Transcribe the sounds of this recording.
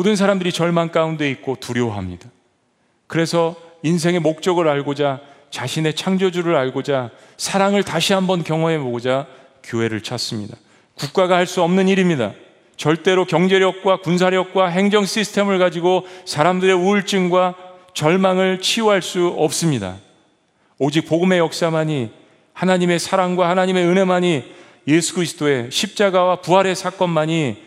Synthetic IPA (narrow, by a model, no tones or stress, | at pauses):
modɯns̬ʰaɾamdɯɾit͡ɕʌɭmank͈aunde̞ik̚k͈otuɾjoɦa̰mɲid̥a | kɯɾe̞sʰʌins̬ʰe̞ŋe̞mok̚t͡ɕ͈ʌɡɯɾaɭɡod͡ʑat͡ɕaɕʰine̞t͡ɕʰaŋd͡ʑod͡ʑuɾɯɾaɭɡod͡ʑa | sʰaɾaŋɯɭtaɕʰiɦambʌnkjʌŋɦʌe̞mod͡ʑa | kjoɦe̞ɾɯɭt͡ɕʰas͈ɯmɲḭda̰ | kuk̚k͈aɡahaɭs͈uʌmnɯniɾimɲida̰ | t͡ɕʌɭt͈e̞ɾokjʌŋd͡ʑe̞ɾjʌk̚k͈wakuns̬ʰaɾjʌk̚k͈waɦe̞ŋd͡ʑʌŋs͈isʰɯ̥tʰe̞mɯɭɡad͡ʑiɡosʰaɾamdɯɾe̞uɭt͡ɕ͈ɯŋɡwa | t͡ɕʌɭmaŋɯɭt͡ɕʰioɦaɭs͈uʌp̚s͈ɯmɲida̰ | od͡ʑik̚poɡɯme̞jʌk̚s͈amaɲi | hanaɲime̞sʰaɾaŋɡwahanaɲime̞ɯnɦemaɲi | je̞sʰu̥kɯɾisʰɯ̥t͈oe̞ɕʰip̚t͡ɕ͈aɡawapuɦaɾe̞sʰak͈ʌnmaɲi